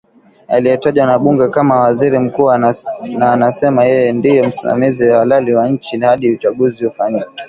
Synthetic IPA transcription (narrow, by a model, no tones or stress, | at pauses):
a̰lijɛtaʄwanaɓuŋɡɛkamawaziɾim̩kuːanaːnasɛmajɛjɛndijɔm̩sima̰miziwawalaliwaɲ̩t͡ʃihaɗiut͡ʃaɠuzihufaɲikɛ̥